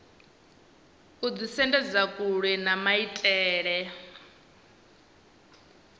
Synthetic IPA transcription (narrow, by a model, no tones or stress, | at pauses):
kud͡zisɛndɛd͡zakʼuɺɛnamaitʼɛːɺɛ